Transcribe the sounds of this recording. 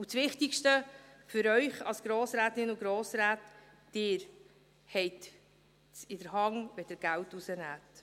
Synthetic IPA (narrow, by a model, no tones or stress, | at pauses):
ut͡sʋɪχtikʃtəfʏɾœʏχɑ̰lsɡ̥ɾoːsɾæːtɪnʊɡɾoːsɾæːt | d̥ɪːɾ | hɛjt̪ | sɪdəɾhɑŋʋɛd̥əɾɡ̥æwtusənæːt